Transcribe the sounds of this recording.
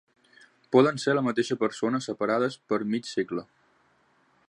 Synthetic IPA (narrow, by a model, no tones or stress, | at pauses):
pɔðənseɾləmət̪eʃəpəɾsonəsəpəɾaðəspəɾmit͡ʃsiɡlə